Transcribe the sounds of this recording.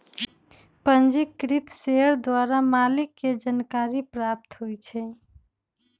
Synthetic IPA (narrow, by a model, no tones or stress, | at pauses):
pənd͡ʒikːɾit̪seəɾd̪waɾamalikːed͡ʒənkaɾipɾap̚t̪ɦujt͡ʃʰɛ